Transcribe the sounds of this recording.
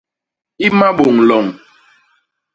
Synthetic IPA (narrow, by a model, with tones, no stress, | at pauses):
i˦ma˦ɓo˨ŋlɔ˨ŋ